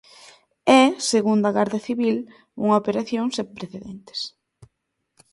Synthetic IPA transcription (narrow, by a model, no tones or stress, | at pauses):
ɛseɣund̪ɐɣaɾðɐθiβil | uŋaopeɾaθjoŋsepɾeθeðent̪e̥s